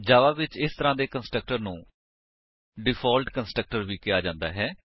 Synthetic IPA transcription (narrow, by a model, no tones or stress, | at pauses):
d͡ʒaːʋaːʋɪt͡ʃɪst̪əɾãːd̪eːkənsʈɾək̚ʈəɾnũː | ɖɪpʰɔːlʈkənsʈɾək̚ʈəɾʋiːkɪjaːd͡ʒãːnd̪a̰ːɦɛː